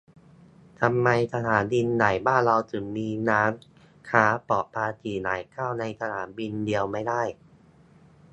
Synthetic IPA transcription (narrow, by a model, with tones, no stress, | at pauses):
t̪ʰa˧mːa˧jt̪ʰa˧ɦaː˩˦ndi˧nːa˨˩jbaː˥˩nɾa˧wt̪ʰɯ˩˦ŋmiː˧naː˦˥ŋ | kʰaː˦˥pɔ˨˩pʰaː˧t͡ɕ̪ʰiː˨˩na̰ː˨˩˦jkʰaː˥˩wna˧jtsʰa˧nʰaː˩˦nbi˧ndi˧əwma˥˩jdaː˥˩j